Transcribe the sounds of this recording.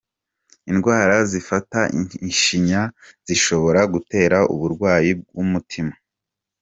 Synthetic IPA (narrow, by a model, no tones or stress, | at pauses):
inɡwaːɾazifatainʃiɲaz̥iʃo̞βo̞ɾaɡute̞ːɾaʔṵβuɾɡwaːjib̚ɡwumutʰima